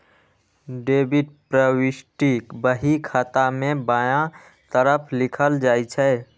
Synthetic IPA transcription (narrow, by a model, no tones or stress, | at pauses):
ɖeːbiʈ̚pɾəwɪʃʈikbəɦikʰaːt̪amẽbaːjã | t̪əɾəpʰlɪkʰəld͡ʒaːit͡ʃʰɛ